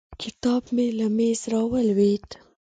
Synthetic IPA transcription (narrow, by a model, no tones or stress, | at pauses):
kʰɪt̪ɑbmelamezɾɑwəlwet̪